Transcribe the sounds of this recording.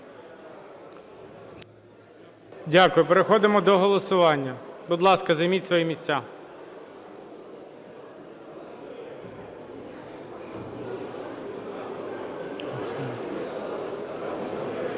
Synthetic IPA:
dʲakʊjʊpeɾexɔd̪ɪmɔd̪ɔɦɔlˠɔsʊʋɑnʲːɐbʊd̪lˠɑskɐzɐjmitʲsʋɔjimʲisʲt͡sʲa

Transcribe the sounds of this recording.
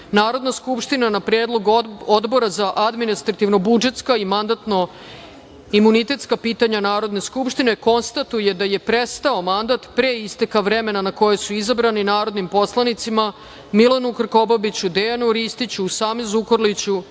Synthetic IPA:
naːɾo̞d̪naskupʂt̪inanapɾeːd̪lˠo̞ɡod̪bo̞ɾazaʔad̪minist̪ɾat̪iʋno̞bud͡ʒe̞t̪skaimand̪at̪no̞ | imunit̪e̞t̪skapiːt̪aɲanaːɾo̞d̪ne̞skupʃt̪ine̞ko̞nst̪at̪uje̞d̪aje̞pɾest̪ao̞mand̪at̪pɾeist̪ekaʋɾe̞me̞nanako̞jesuizabɾaninaːɾo̞d̪nimpo̞slˠanit̪sima | milonukr̩ko̞babit͡ɕud̪ejanuɾist̪it͡ɕuːsaːmezukoɾlit͡ɕu

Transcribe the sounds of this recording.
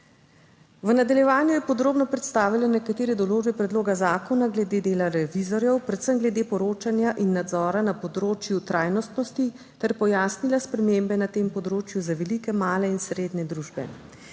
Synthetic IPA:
ʋənad̪aljɛʋaːnjujɛpɔd̪ɾoːbnɔpɾɛt̪st̪aːʋilanɛkat̪eːɾɛd̪ɔloːʒbɛpɾɛd̪loːɡazaːkɔnaɡlɛd̪eːd̪eːlaɾɛʋizɔɾjɛwpɾɛt̪səmɡlɛd̪eːpɔɾoːt͡ʃanjaʔinːad̪zɔːɾanapɔd̪ɾoːt͡ʃjut̪ɾaːjnɔst̪nɔst̪i | t̪ɛɾpɔjaːsnilaspɾɛmembɛnat̪empɔd̪ɾoːt͡ʃjuzaʋɛlikɛmaːlɛinsɾeːd̪nɛd̪ɾuːʒbɛ̰

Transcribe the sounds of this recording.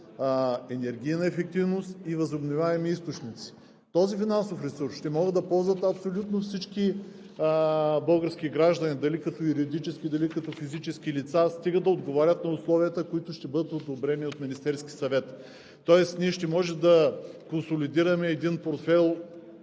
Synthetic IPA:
ɛnɛɾɡ̟ʲinɐɛfɛk̚t̪ivnost̪ivɐzobnovʲaɛmiist̪ot͡ʃnit̪si̥ | t̪ɔzifinansofɾɛsuɾsʃt̪ɛmɔɡəd̪ːɐpɔlˠzvɐt̪ɐpsolʲut̪nofsit͡ʃki | bɤlˠɡəɾskiɡɾaʒd̪ɐnid̪ɐlikɐt̪ɔjuɾiod̪it͡ʃɛskʲid̪ɐlikɐt̪ɔfizit͡ʃɛskilit̪sast̪iɡəd̪d̪ːɐod̪ɡovaɾʲət̪nɐʊslˠɔviət̪əkʊit̪ʊʃt̪ɛbɤd̪ət̪od̪obɾɛniot̪minist̪ɛɾskʲisɐvɛt̪ː | ɔɛst̪niɛʃt̪ɛmɔʒɛmd̪ɐkonsolid̪iɾɐmɛːd̪inpoɾt̪fɛlˠ

